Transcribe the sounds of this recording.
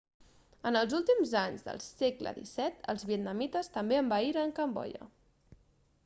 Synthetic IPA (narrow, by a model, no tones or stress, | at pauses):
ənəlˠzulˠt̪imzaɲzðə̰lˠseklə̰ðḭsɛt̪ə̰lˠzβiət̪̚nəmit̪əst̪əmbeəmbaiɾəəŋkəmbɔ̰ʎə̰